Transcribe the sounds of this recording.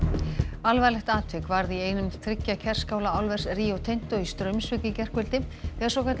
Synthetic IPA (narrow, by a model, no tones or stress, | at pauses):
alvajlɛxt̪aːt̪ʰvʏkvaɾðieːjnʏmθʰɾɪcːacʰɛr̥skaːwlaawlvɛr̥sriːowt̪ʰejn̥t̪oist̪ɾœɥmsvʏcɪcɛr̥kvʏlt̪ɪfɛːðsɔkʰat̪